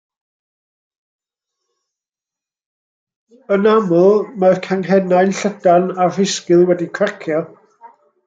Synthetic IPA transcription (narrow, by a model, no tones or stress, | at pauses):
ənamʊlˠmarkʰaŋɦɛnajnɬədanar̥ɪskɨlˠwɛdikʰərkʰjɔ